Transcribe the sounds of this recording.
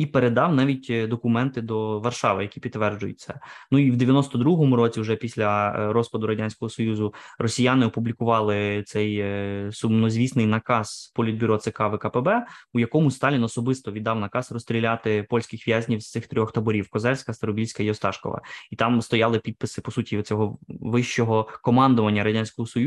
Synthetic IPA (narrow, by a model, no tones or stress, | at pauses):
ipeɾed̪ɑwnɑʋʲitʲd̪ɔkʊmɛnt̪ɪd̪ɔʋɐrʃɑʋɪjɐkʲipʲit̪ːʋɛrd͡ʒʊjʊ̰tʲt͡s̪ʲːɛnuiwd̪eʋʲjɐnɔst̪ɔd̪ɾuɦɔmʊɾɔt͡sʲiuʒɛpʲisʲlʲɐɾɔspɐd̪ʊɾɐdʲanʲsʲkɔɦɔsɔjuzʊrɔsʲijanɪɔpublʲikʊʋɑlˠɪt̪sɛjsʊmnɔzʲʋʲisnɪjnɐkɑz̥pɔlʲid̪bʲiɾɔt̪sekɑʋɪkɐpɛbɛujɐkɔmʊsʲst̪ɑlʲinɔsɔbɪst̪ɔʋʲid̪ːɑwnɐkɑsrɔst̪ʲɾʲilʲat̪ɪpɔlʲsʲkɪxʋʲjazʲnʲiwst̪sɪxt̪ɾʲɔxt̪ɐbɔɾʲiwkɔzɛlʲsʲkɐst̪ɐɾɔbʲilʲsʲkɐiɔst̪ɑʃkɔ̰ʋɐ̰it̪ɑmst̪ɔjɑlˠɪpʲid̪̚pɪsɪpɔsutʲiɔt͡sʲɔɦɔʋɪʃt͡ʃɔɦɔkɔmɑnd̪ʊʋɐnʲːɐɾɐdʲanʲsʲkɔɦɔsɔj